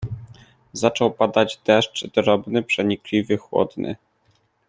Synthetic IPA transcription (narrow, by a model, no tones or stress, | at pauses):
zat͡ʂɔwpad̪ad͡ʑd̪ɛʂt͡ʂd̪ɾɔbnɘpʂɛɲiklʲivɘxwɔ̰d̪nʔɘ̰